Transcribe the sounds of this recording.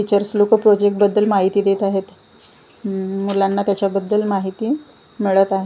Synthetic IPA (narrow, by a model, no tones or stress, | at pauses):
fit͡ɕəɾslokəpɾod͡ʑek̚ʈ̚bəd̪ːəlmaɦit̪iːd̪et̪aɦet̪ | muljanːat̪jat͡ɕjabəd̪ːəlmaɦit̪iː | miɭət̪aɦe